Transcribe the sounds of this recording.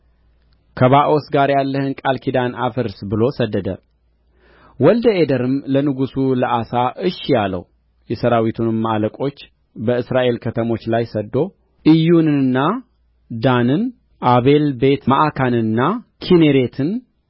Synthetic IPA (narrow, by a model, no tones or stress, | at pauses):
kʰəβaʔo̞sɡaɾjalːəhɨnkʼalkʰid̪anafɨɾsbɨlo̞səd̪ːəd̪ə̰ | wɔld̪əed̪əɾɨmlənɨɡusuləʔasaʔɨʃːjalə̰w | jɛsəɾawit̪ʰunɨmːaaləkʼo̞t͡ʃː | bəɨsɾaʔe̞lkʰət̪ʰəmo̞t͡ʃːlajsəd̪ːo̞ | ʔɨjunɨɨnːa | d̪anɨn | ʔaβe̞lbe̞t̪maʔakʰanɨnːakʰineɾe̞t̪ʰɨn